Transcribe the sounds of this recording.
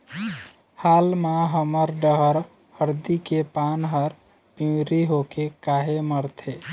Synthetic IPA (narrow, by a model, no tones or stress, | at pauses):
halmaɦəməɾɖəɦəɾ | həɾd̪ikepanɦəɾ | pĩwɾiɦokekaɦeməɾt̪ʰe